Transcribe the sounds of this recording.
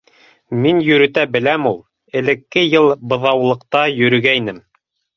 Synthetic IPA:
minjɵ̆ɾɵ̆t̪æbɘ̆læmulˠ | ɘ̆lɘ̆kːɘjɤlˠbɤ̆ðɑwlˠɤ̆qt̪ɑjɵ̆ɾɵ̆ɡæinɘm

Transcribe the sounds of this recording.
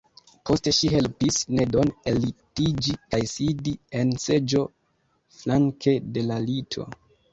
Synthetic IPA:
pʰo̞ste̞ʃiɦe̞lpisne̞do̞ne̞litid͡ʒikajsidie̞nse̞d͡ʒo̞ | flaŋkʰe̞de̞lalitʰo̞̰

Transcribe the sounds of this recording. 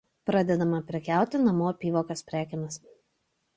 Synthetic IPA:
pɾɑːd̪ʲɛd̪ɐmɐpʲɾʲɪkʲæˑʊt̪ʲɪnɐmoːpʲiːʋoːkɐspʲɾʲæːkʲɪnɐs

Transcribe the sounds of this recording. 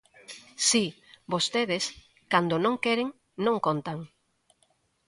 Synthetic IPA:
si | bost̪eðɪs | kand̪onõŋkeɾeŋ | nõŋkont̪aŋ

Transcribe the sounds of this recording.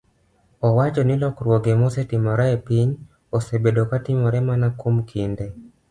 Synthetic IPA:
ɔwat͡ʃɔnilɔkuɾwɔɡɛmɔsɛtimɔɾaɛpiɲ | ɔsɛbɛɗɔkatimɔɾɛmanakumkʰindɛ

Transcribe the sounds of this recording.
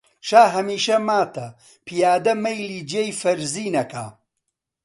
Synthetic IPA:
ʃaːɦɐmiːʃɐmaːt̪ʰɐ | pʰijaːd̪ɐmɐjliːd͡ʒiejfɐɾziːnɐkʰa̰ː

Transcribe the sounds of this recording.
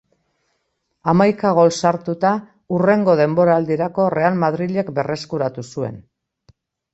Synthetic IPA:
amajkaɣ̞o̞lsaɾt̪ut̪a | ure̞ŋɡo̞ð̞e̞mbo̞ɾaːld̪iɾako̞re̞almað̞ɾiʎekbe̞re̞skuɾat̪usue̞̰n

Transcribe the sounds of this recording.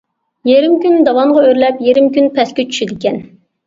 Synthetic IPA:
jeɾɪmkʲynd̪ɑwɑɴʁɑøɾlɛpjeɾɪmkʲynpʰɛskʲet͡ʃʰy̥ʃɪd̪ɪkʲɛn

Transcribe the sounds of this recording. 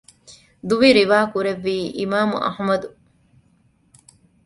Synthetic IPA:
d̪uʋiɾiʋaːkuɾeʋːiːʔimaːmṵʔɐ̰hmɐd̪u

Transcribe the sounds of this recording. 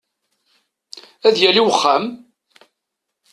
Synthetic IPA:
æðjæliwəχːæm

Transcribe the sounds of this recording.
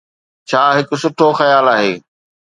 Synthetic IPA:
t͡ɕʰaːɦɪkʊ̆sʊʈʰoxɐjaːlaːɦḛː

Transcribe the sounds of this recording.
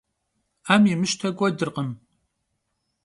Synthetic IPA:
aːmjɪmɨʃtʰɐɡʷɔdɨrqəm

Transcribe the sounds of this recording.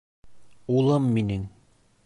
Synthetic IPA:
ulˠɤmːinɘŋ

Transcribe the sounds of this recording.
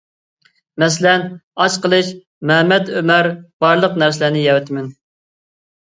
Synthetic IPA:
mɛs̬ɪlɛnɑt͡ʃqəlˠɨʃ | mɛmɛd̪ømæɾb̥ɑɾlˠəqnæɾsɪlæɾnɪjɛwɛt̪ʰmɪn

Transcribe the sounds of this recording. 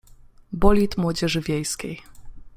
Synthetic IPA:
bɔlʲit̪mwɔd͡ʑɛʐɘvʲjejskʲḛj

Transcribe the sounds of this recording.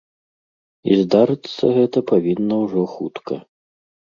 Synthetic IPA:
ḭzd̪aɾɨt̪sːɐɣɛt̪ɐpavʲinːɐwʐɔxut̪kʰɐ

